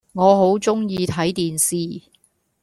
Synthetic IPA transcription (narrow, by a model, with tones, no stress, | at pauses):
ŋɔː˨˧ɦo˨˥wt͡sʊ˥ŋjiː˧t̪ʰɐ˨˥jt̪iː˨nsiː˨˧